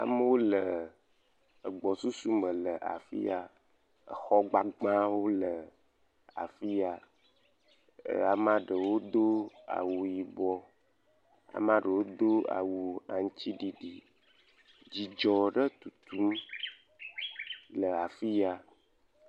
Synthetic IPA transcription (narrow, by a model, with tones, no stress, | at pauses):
a̰˨mə˦wo˦lə˨ | ə˨ɡ͡bɔ˨su˦su˦mə̃˨lə˨ʔa̰˨fḭ˦a˨ | ə̰˨xɔ˦ɡ͡ba˨ɡ͡bã˦wo˦lə˨ | a̰˨fi˦a˨ | a˨mã˦ɖə˨wo˦d̪o˦a̰˨wu˨ji˨bɔ˦ | a̰˨mã˦ɖə˨wo˦d̪o˦a̰˨wu˨a̰˨ŋ˦t͡ɕi˦ɖi˨ɖi˨ | d͡ʑi˨d͡ʒɔ˨ɖə˦t̪u˨t̪u˦m | lə˨a˨fi˦ja˨